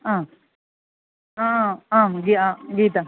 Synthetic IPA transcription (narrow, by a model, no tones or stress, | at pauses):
ã | ããɡiaɡiːt̪a